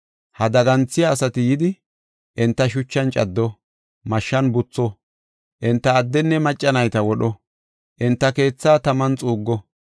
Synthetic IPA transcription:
hɐd̪ɐɡɐnt͡sːɪjaːsɐt̪ɪjɪd̪ɪ | ʔɪnt̪ːɐʃ̬ʊt͡ʃːɐnt͡ʃʼɐd̪ːɔ | mɐʃːɐnbʊt͡sːɔ | ʔɪnt̪ːɐːd̪ːɛnːɛmɐt͡ʃʼːɐnɐjt̪ɐwɔɗɔ | ʔɪnt̪ːɐke̞ːt͡sːaːt̪ɐmɐnt͡sʼuːɡːɔ

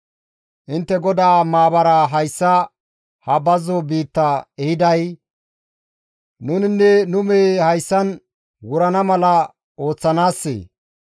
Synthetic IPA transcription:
ʔɪnt̪ːɛɡɔd̪aːmaːbɐɾɐɦɐjsːɐ | hɐbɐzɔbiːt̪ːɐɛhɪd̪ɐj | nʊnɪnːɛnʊmeːhɐjsːɐn | wʊɾɐnɐmɐlɐ | o̞ːt͡sːɐnaːsːḛː

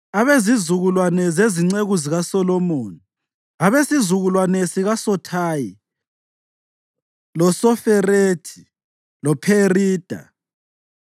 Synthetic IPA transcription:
aβezizuɣulwanɛzeziŋ͡ǀeɣuziɣasɔlɔmoːni | aβesizuɣulwanɛsiɣasɔtʰaji | lɔsɔfɛretʰi̥ | lɔpʰeriːd̥ʱa̰

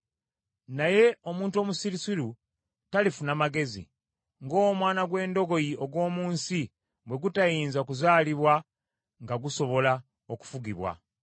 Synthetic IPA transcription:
naje̞o̞muːntuo̞musiɾisiɾu | talifunamaɡe̞zḭ | ŋɡo̞ːmwaːnaɡwe̞ːndo̞ɡo̞jiʔoɡwo̞ːmuːnsi | bwe̞ɡutajiːnzaokuzaːliβwa | ŋɡaɡuso̞βo̞la | oku̥fuɡiβwa̰

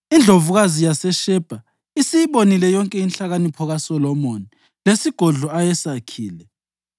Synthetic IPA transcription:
ind͡ɮʱovuɣazijasɛʃɛb̥ʱa | isijiβonilɛjɔŋkʼɛinɬaɣanipʰɔɣasɔlɔmoni | lesiɡ̥ʱɔɮɔajɛsakʰiːlɛ

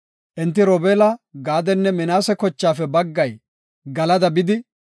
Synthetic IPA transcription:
ʔɪnt̪ːɪɾɔbeːlɐɡaːd̪ɛnːɛmɪnaːsɛkɔt͡ʃːaːfɛbɐɡːɐj | ɡɐlɐd̪ɐbɪd̪ɪ

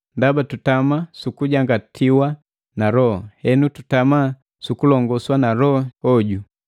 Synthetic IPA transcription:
ndabatutamasukuɟaŋɡatʰiwa | naɾɔɔhɛnututama | sukulɔŋɡɔswanaɾɔɔɟu

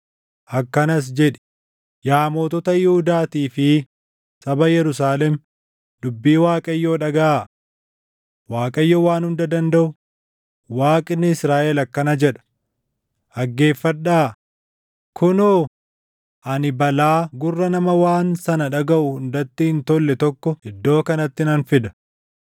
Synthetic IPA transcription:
ʔɐkːɐnɐs̬d͡ʒɛᶑɛ̥ | jaːmoːt̪ɔt̪ɐjɛhʊd̪aːt̪iːfɪ | sɐbɐjɛɾʊs̬aːlɛm | d̪ʊbːiːwaːkʼɐjːo̞ːᶑɐɡɐʔaː | waːkʼɐjːoːwaːnhʊnd̪ɐd̪ɐnd̪ɐʔʊ | waːkʼɪnːɪɪsɾaːʔɛlɐkːɐnɐd͡ʒɛᶑɐ̥ | ʔɐɡːe̞ːfːɐᶑːaː | kʰʊnoː | ʔɐnɪbɐlaːɡʊrːɐnɐmɐwaːnsɐnɐᶑɐɡɐʔʊhʊnd̪ɐt̪ːɪhɪnt̪ɔlːɛt̪ɔkːɔɪd̪ːo̞ːkɐnɐt̪ːɪnɐnfɪd̪ɐ̥

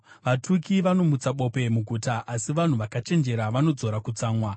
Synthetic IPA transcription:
ʋatʰukiʋano̞mut͡saɓo̞pe̞muɡʱuːtaʔasiʋan̤uʋakat͡ʃe̞nd͡ʒe̞ɾaʋano̞d͡zo̞ɾakut͡saːmwa

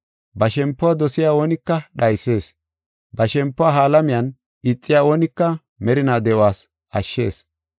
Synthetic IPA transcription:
bɐʃɛmpːɔwaːd̪ɔsɪjaːwoːnɪkːɐɗɐjse̞ːs | bɐʃɛmpːɔwaːɦaːlɐmɪjɐn | ɪt͡sʼːɪjaːwɔːnɪkːɐ | mɛɾɪnaːd̪ɛwaːs | ɐʃːe̞̰ːs

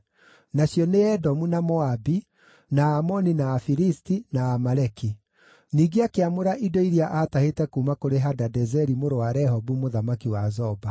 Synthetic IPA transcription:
naɕjɔneɛdɔmunamɔabi | naːmɔninaːfiɾistinaːmaɾɛki | niːɡeakeamoɾaʔidɔiɾiaʔaːtahetɛkuːmakoɾeɦadadɛzɛɾimoɾowaɾɛɦɔbumoðamakiwazɔba

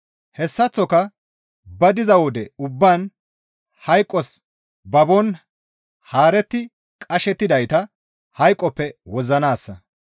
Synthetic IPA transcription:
hɛsːɐt͡sːɔkɐ | bɐd̪ɪzɐwɔd̪ɛʊbːaːn | hɐjkʼːɔs | bɐbɔn | haːɾɛt̪ːɪ | kʼɐʃɛt̪ːɪd̪ɐjt̪ɐ | hɐjkʼːɔpːɛwɔzɐnaːsːɐ

